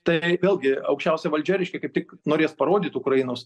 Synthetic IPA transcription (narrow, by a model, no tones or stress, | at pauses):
t̪ɐɪʋʲeːlʲˠɡʲɪɐʊkʃʲt͡ʃʲɛʊsʲɛʋɐlʲd͡ʒʲɛɾʲɛɪʃʲkʲɛkɐɪp̚t̪ʲɪknoːɾʲeːspɐɾoːd̪ʲiːt̪ʊkɾɐjɪnoːs